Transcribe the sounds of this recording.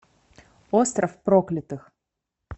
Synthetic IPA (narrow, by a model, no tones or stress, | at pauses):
ost̪rɐfpɾoklʲɪt̪ɨx